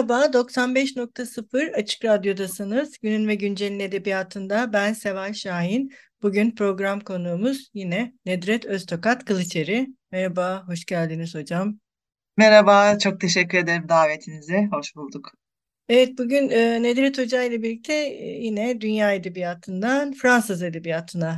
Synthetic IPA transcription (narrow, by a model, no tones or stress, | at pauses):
baːd̪o̞ksanbɛʃno̞k̚t̪ʰasɯfɯɾat͡ʃʰɯ̥kɾad̪jo̞d̪asɯnɯz̥ɟynynvɛɟynd͡ʒelʲine̞d̪ebijaːt̪ʰɯnd̪abænse̞vajʃaːɦinb̥uɟynpɾo̞ɡɾamkʰo̞nuːmuz̥jinɛnɛd̪ɾɛt̪ʰøst̪ʰo̞kat̪kʰɯlˠɯt͡ʃʰe̞ɾiɪmɛɾabaːɦo̞ʃɟælʲd̪iniz̥ho̞d͡ʒam | mɛɾabaːt͡ʃʰo̞k̚t̪ʰe̞ʃɛcːyɾe̞d̪e̞ɾimd̪aːve̞t̪ʰinizɛɦo̞ʃbulˠd̪uk | evɛt̪̚buɟynɯːned̪ɾɛt̪ʰo̞d͡ʒajlˠabilʲːic̚t̪ʰɛjinɛd̪ynjaːe̞d̪ebijaːt̪ʰɯnd̪anfɾansɯze̞d̪e̞bijaːt̪ʰɯna